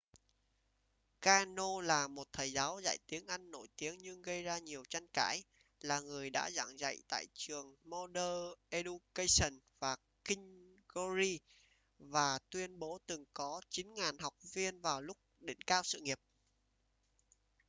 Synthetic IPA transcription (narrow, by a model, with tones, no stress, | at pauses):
kaː˧no˧laː˨˩mo˨˩t̚t̪ʰəː˨˩jzaː˨˦wza̰˧˨jt̪i˨˦əŋʔa˧jŋːo˧˩jt̪i˨˦əŋɲɨ˧ŋɣə˧jzaː˧ɲi˨˩əwt͡ɕa˧ŋka̰ː˧˥j | laː˨˩ŋɨ˨˩əjɗa̰ː˧˥za̰˧˩ŋza̰˧˨jt̪a̰ː˧˨jt͡ɕɨ˨˩əŋmo˧ɗəː˧ʔe˧ɗu˧kə˧jsə˨˩nvaː˨˩ | kï˧ŋɣo˧zi˧ | vaː˨˩t̪wi˧ənɓo˨˦t̪ɨ˨˩ŋkɔ˨˦t͡ɕi˨˦nŋaː˨˩nha˨˩wk͡p̚vi˧ənvaː˨˩wlʊ˦˥k͡p̚ɗḭ˧˩ŋ̟kaː˧wsɨ̰˧˨ŋi˨˩əp̚